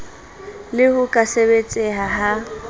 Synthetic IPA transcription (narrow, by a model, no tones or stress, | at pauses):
lɪhʊkʼaseβet͡sʼɪɦaɦa